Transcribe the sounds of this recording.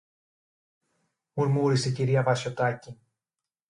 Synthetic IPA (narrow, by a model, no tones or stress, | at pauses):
muɾmuːɾiseciɾiavasjot̪acʲi